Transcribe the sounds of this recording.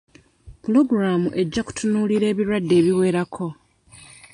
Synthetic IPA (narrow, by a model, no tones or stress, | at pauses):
pulo̞ɡuɾaːmuʔe̞ɟːaku̥tʰunuːliɾe̞ːβiɾwadːe̞ːβiwe̞ːɾakʰo̞